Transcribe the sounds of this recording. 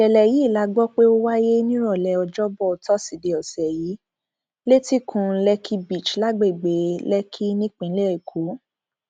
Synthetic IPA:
ʃɛ˨lɛ˨ji˨˦˨la˨˦ɡ͡bɔ˦k͡pe˦o˦wa˦je˦nĩ˦ɾɔ˦˨lɛ˨ɔ˧d͡ʒɔ˦bɔ˦˨tɔ˦si˨de˧˨ɔ˨sɛ˨ji˨˦ | le˦ti˦kʰũ˧˨˦lɛ˧kʰi˦bi˦˨t͡ʃla˦ɡ͡be˦i˨ɡ͡be˨˦lɛ˦kʰi˦nĩ˦k͡pĩ˨˦lɛ˦ɾe˦˨kʰo˨˦

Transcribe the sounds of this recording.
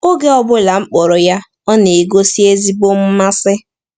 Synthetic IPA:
o˦ɡe˦ɔ˦bʊ˦la˨ŋ͡m̩˦k͡pɔ˨ɾɔ˨ja˦ | ɔ˦ne˨i˨ɡo˦si˦e˦zi˦bo˦m̩˦ma˦sɪ˦

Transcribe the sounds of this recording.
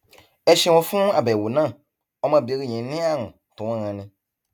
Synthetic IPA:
ɛ˨ʃĩ˦wɔ̃˦fũ˦a˨bɛ˨wo˨nã˦˨ | ɔ˦mã˨be˨˦ɾi˦˨ɲɛ̃˨˦nĩ˦a˦˨ŋũ˨ | tũ˨˦ã˦ɣã˨nĩ˨

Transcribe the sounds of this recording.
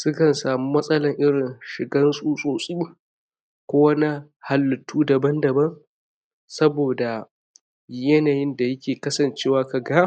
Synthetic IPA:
sʊ˦kɐ˨nsaː˨mu˦mɐ˦sʼɐ˦lɐ˨ŋʔɪ˦ɽɪ˨nʃɪ˨ɡɐ˦nsʼuː˦sʼoː˨sʼiː˦ | kʷoː˦wɐ˦na˦ha˨lːʊ˨tʰuː˦dɐ˨bɐ˦ndɐ˨bɐ˦ŋ | sɐ˦boː˨da˨ | jɐ˦naː˨jɪ˦nda˨jɐ˦kʲʰeː˨kɐ˦sɐ˨nt͡ʃeː˦waː˨ka˨ɡaː˦

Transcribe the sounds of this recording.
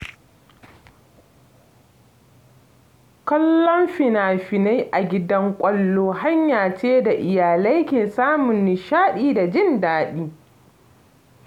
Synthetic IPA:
kɐ˦lːɔ˦mɸɪ˨naː˨ɸɪ˨na˦jʔa˨ɡʲɪ˦dɐ˦ŋkʷʼɐ˦lːoː˦ha˦ɲjaː˨t͡ʃeː˦da˨ʔɪ˨jaː˨la˦jkʲeː˨saː˦mʊ˨nːɪ˨ʃaː˦ɗiː˦da˨d͡ʒɪ˦ndaː˦ɗiː˦

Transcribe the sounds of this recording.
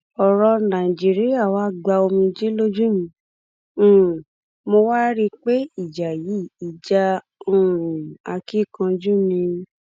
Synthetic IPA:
ɔ˨ɾɔ˧nã˨d͡ʒi˦ɾi˦a˦˨wa˦ɡ͡ba˧o˧mĩ˧d͡ʒi˦lo˦d͡ʒũ˦mĩ˧˦˨ | mo˧wa˦ɾi˦˧k͡pe˦i˦˨d͡ʒa˨ji˨˦˨i˨d͡ʒa˧ | ũ˦˨ɾũ˨a˧ki˦˨kã˧d͡ʒu˦˨nĩ˧

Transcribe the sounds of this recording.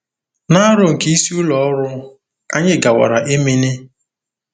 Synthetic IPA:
na˦ɾʊ˨ŋ̩˨ki˦si˦ʊ˦lɔ˨ɔ˦ɾʊ˦ | a̰˦ɲɪ˦ɡa˨wa̰˨ɾa˨ʔe˦me˦ne˦

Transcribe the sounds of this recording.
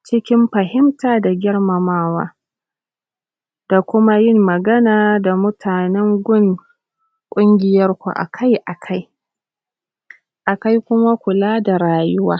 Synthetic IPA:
t͡ʃɪ˦kʲɪ˦mɸɐ˨ɦɪ˦mtaː˨da˨ɡʲɪ˦ɽmɐ˨maː˦wa̰ː˦ | d̥a˨kʷʊ˦ma˦jɪ˦˨mːɐ˨ɡɐ˦naː˨da˨mʊ˦tʰaː˨nɛ˦ŋɡʷʊ˦˨ŋ | kʷʼʊ˦ŋɡʲɪ˨jɐ˦rkʷṵ˨ʔa̰˨kʰa˦jʔa˨kʰa˦j | ʔa˨ka˦jkʷʊ˦ma˦kʷʊ˨laː˦da˨ɾaː˨jʊ˦waː˦

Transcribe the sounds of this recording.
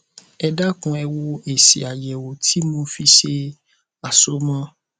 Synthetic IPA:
ɛ˧da˦kũ˧ɛ˧wo˧e˨si˨a˨jɛ˨wo˨tʰi˨˦mõ˧fi˧ʃe˧ | a˨so˦mã˦

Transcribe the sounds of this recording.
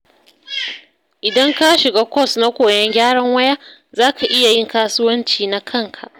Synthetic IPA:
ʔɪ˨dɐ˦ŋka˦ʃɪ˨ɡaː˦kʷɔ˦˨sna˦kʷoː˨jɐ˦ŋɡʲaː˦ɽɐ˦ŋwɐ˦ja˦ | zaː˦kʰa˨ʔɪ˦ja˨jɪ˦˨ŋkaː˦sʊ˦wɐ˦nt͡ʃiː˨na˦kʰɐ˦˨ŋkʰa˨ʔ

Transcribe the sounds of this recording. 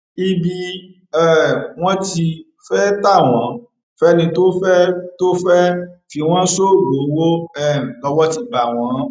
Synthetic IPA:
i˦˧bi˧ | ɛ˦˨w̃ɔ̃˦ti˧ | fɛ˦ta˦˨w̃ɔ̃˨˦ | fɛ˦nĩ˧to˦fɛ˦to˦fɛ˦fi˧w̃ɔ̃˦so˦˨ɡo˨˦wo˦ɛ˦˨lɔ˧wɔ˦ti˧ba˨w̃ɔ̃˨˦

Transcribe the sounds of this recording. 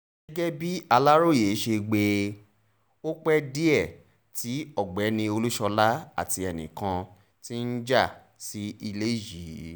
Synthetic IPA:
ɛ˦ɡɛ˦bi˦a˧la˦ɾo˦˨je˨˦ʃe˧ɡ͡be˧ | o˦k͡pɛ˦di˦ɛ˦˨ | ti˨˦ɔ˦˨ɡ͡bɛ˨˦nĩ˧o˧lu˦ʃɔ˧la˦a̰˦˨ti˧ɛ˨nḭ̃˨kã˧ | ti˦n̩˦d͡ʒa˦˨ | si˦i˧le˦ji˨˦

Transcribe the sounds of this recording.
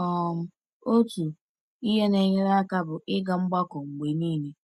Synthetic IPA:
ɔ˦˨m̩˦ | o˦tu˨ | i˦ɦe˦ne˨ɲɪ˦ɾa˦ka˦bʊ˨ʔɪ˦ɡa˨ŋ͡m̩˦ɡ͡ba˦kɔ˨ŋ͡m̩˨ɡ͡be˨niː˦˨ni˦

